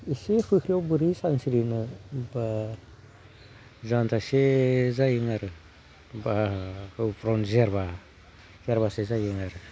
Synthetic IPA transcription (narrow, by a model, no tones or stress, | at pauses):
isehukɾiobɯɾisansiɾinɯba | zantʰasezajiŋaɾɯ | baɯpʰɾɔnzeɾba | zeɾbasezajiŋaɾɯ